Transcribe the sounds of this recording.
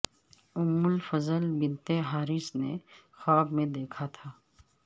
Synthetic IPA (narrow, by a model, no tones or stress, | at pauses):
ʊmːʊlfɐzəlbɪnt̪eɦaːɾɪsnexɔːbmẽd̪eːkʰat̪ʰaː